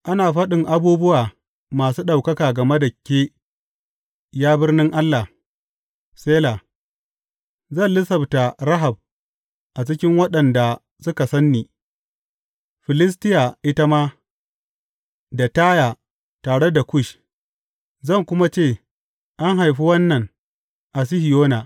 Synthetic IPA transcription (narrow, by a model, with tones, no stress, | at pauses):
ʔa˦naː˨ɸɐ˦ɗɪ˨ŋʔa˦buː˦bʊ˦waː˨ | maː˨suː˦ɗa˨wkɐ˦kaː˨ɡɐ˨me˦da˨kʲeː˦ | jaː˦bɪ˦rnɪ˦ŋʔa˦lːa˨ | seː˦la˨ | zɐ˦˨nlɪ˦sɐ˨bta˨ɾa˦ɦa˨b̚ | ʔa˨t͡ʃɪ˦kʲɪ˦ŋwɐ˦ɗɐ˨nda˨ | sʊ˦ka˨sɐ˦nːiː˨ | ɸɪ˨lɪ˦s̬tɪ˦ja˨ʔɪ˦ta˦maː˦ | da˨taː˦jaː˨ | taː˨ɽe˦da˨kʷʊ˦ʃ | zɐ˦˨ŋkʷʊ˦ma˦t͡ʃeː˦˨ | ʔa˦ŋɦa˨jɸi˦wɐ˦nːɐ˨ŋ | ʔa˨s̬i˦hɪ˨joː˦naː˨